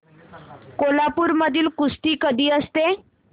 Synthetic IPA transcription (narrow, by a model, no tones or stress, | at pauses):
kolapuːɾməd̪ʱiːlkust̪iːkəd̪ʱiːəst̪e